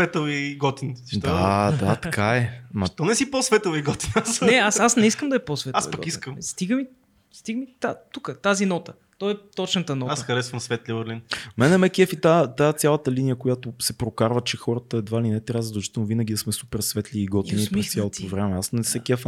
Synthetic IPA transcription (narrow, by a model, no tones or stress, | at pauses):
svɛt̪oviɡɔt̪insd̪ad̪at̪ɐkaɛmɐt̪ɔnɛsiposvɛt̪oviɡɔt̪inasnɛasasnɛiskəmd̪ɐɛposvɛt̪a̰ḭɡpəɡ̰ɔkiskəmst̪iɡəmi | st̪iɡəmit̪at̪ukət̪azinɔt̪ə | t̪ɔɛt̪ɔt͡ʃnət̪ənɔtasxɐɾɛsvəɐmsvɛt̪libɛɾlinmɛnɛmɛkʲɛfit̪at̪at̪sʲalˠət̪əlinijəkojat̪osɛpɾokaɾvət͡ʃɛxɔɾət̪əɛd̪valinɛt̪ɾjazəd̪ɛlˠt͡ʃit̪ɛlˠnʊvinəɡʲid̪əsmɛsupɛɾsvɛt̪liːɡɔt̪iniɾɛst̪ʲjalˠot̪ovɾɛmɛasnɛsɛkɛf